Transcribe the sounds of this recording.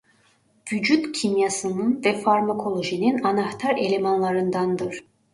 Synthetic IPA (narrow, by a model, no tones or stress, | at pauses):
vyd͡ʒyt̪cʰimjasɯnɯnvɛfaɾmakʰo̞lˠo̞ʒininanaht̪ʰaɾe̞̰lʲe̞manlˠaɾɯnd̪and̪ɯɾ̥